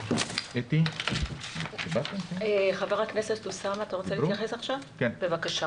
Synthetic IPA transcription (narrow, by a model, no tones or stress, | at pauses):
et̪i | ibat̪emkeeχaveʁhakne̞setlusamat̪aʁot͡selitjaχesaχʃavkenbe̞vakaʃa